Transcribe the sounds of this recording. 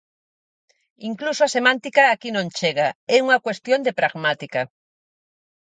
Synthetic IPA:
iŋklusoasemãnt̪ikaːkinõnt͡ʃeɣaɛuŋakwest̪jond̪epɾaɣmat̪ika

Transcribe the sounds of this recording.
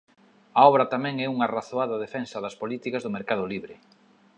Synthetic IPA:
ɐɔβɾɐt̪amɛ̃ŋɛuŋɐraθoaðɐðefɛnsɐðɐspolit̪ikɐzðʊmeɾkað̞ʊliβɾɪ

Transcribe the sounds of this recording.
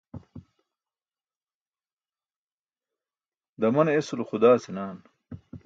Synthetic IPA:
d̪ɐmɐnesulxud̪aːsinaːn

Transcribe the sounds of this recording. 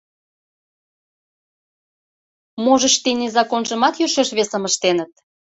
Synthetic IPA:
moʒə̆ʃt̪inezɑkonʒə̆mɑt̪jøʃeʃβesəməʃt̪enət̪̚

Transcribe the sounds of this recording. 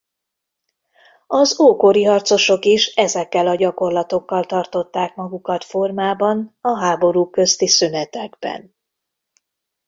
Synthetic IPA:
ɒzoːkoɾiɦɒrt̪so̞ʃo̞kiʃɛzɛkːɛlɒɟɒko̞rlɒt̪o̞kːɒlt̪ɒrt̪o̞t̪ːaːkmɒɡukɒt̪fo̞rmaːbɒnɒɦaːbo̞ɾuːkø̞st̪isynɛt̪ɛɡbɛ̰n

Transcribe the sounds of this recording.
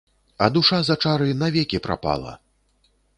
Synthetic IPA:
ɐd̪uʂazat͡ʂaɾɨnavʲɛkʲipɾa̰pa̰lˠɐ̰

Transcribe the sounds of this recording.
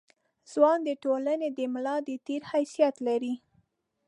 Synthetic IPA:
z̥wɑnd̪əʈolaned̪əmlɑd̪ət̪eɾhajsijat̪laɾi

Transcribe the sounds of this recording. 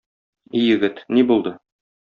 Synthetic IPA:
ijɘ̆ɡɘt̪nibulˠd̪ɤ

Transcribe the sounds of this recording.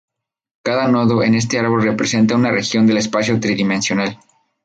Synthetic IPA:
kaðanoðoe̞ne̞s̬t̪e̞aɾβo̞lre̞pɾese̞nt̪aunare̞xjo̞nd̪e̞le̞spasjot̪ɾiðimẽ̞nsjo̞nal

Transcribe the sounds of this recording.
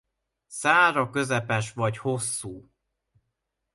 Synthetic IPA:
saːɾɒkø̞zɛpɛʃʋɒɟho̞sːuː

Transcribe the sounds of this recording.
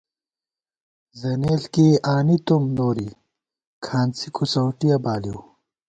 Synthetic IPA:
zɐneːlkeaːnit̪umnoːɾi | kʰaːnt͡sikʰosɐwʈijɐbaːliw

